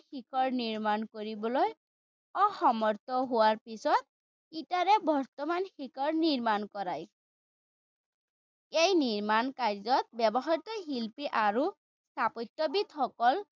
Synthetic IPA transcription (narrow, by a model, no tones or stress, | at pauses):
xikʰɔɹniɹmankoɹibɔloj | ɔxɔmɔɹt̪ɔɦʊwaɹpisɔt̪̚ | itaɹɛbɔɹt̪ɔmanxikʰɔɹniɹmankɔɹaj | ejniɹmankaɹzɔt̪̚bɛbɔxajtɔɦilpiʔaɹu | st̪ʰapɔtːɔbit̪xɔkɔl